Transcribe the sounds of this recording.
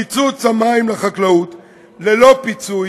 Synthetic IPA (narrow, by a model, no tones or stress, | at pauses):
it͡sut͡samaimlaχaklaut̪ | lelo̞pit͡su